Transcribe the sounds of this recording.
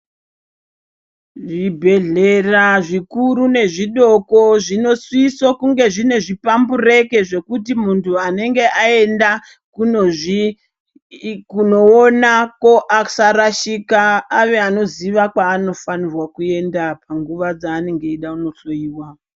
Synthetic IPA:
ʐibʱe̞ɮe̞raʐikuɾune̞ʐiɗo̞ko̞ʐino̞swisokuŋɡe̞ʐine̞ʐipambure̞ke̞ʐe̞kutimuntʰuane̞ŋɡe̞ʔae̞nda | kunoʐi | kuno̞ːnako̞ʔasaɾaʃikaːʋeano̞ziʋakwaːno̞fanirwakue̞ndapʰaŋɡuʋad͡zaːne̞ŋɡe̞iɗauno̞ɬoiːwa

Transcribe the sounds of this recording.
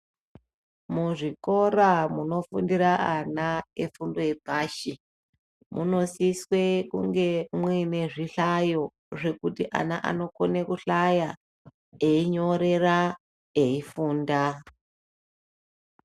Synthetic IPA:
muʐiko̞ɾamuno̞fundiɾaʔanaefundo̞jepaːʃi | mṵno̞siswe̞kuŋɡe̞mwine̞ʐiɬajo̞ | ʐe̞kutiʔa̰naʔa̰no̞konekuɬaja | eiɲo̞ɾe̞ra | eifuːnda

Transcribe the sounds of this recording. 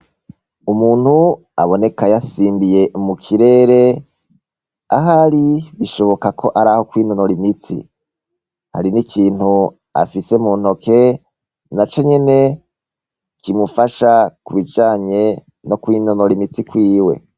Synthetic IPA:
umuːn̥hu | a̰βo̞ne̞kajasiːmbije̞ʔmukʰiɾe̞ːɾe̞ | a̰ɦaɾiβiʃo̞βo̞kakʰo̞ʔaɾaːho̞kwiːnonoɾimit͡sḭ | ha̰ɾinikʰiːnhu | a̰fise̞mun̥o̞ke̞ | nat͡ʃo̞ɲe̞ne̞ | kimufaʃakuβid͡ʒaːɲe̞ | no̞kwinonoɾimit͡sikwiːwe̞̰

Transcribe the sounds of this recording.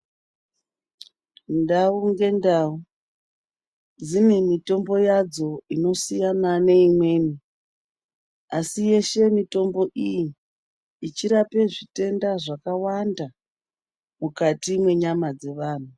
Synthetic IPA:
ndauŋɡe̞ndau | d͡zinemito̞mbo̞jad͡zo̞ino̞sijanane̞imwe̞ːni | asije̞ʃe̞mito̞mbo̞ʔijiː | t͡ʃiɾape̞ʐite̞ndaʐakawanda | mukatimwe̞ɲamad͡ze̞ʋaːn̤u

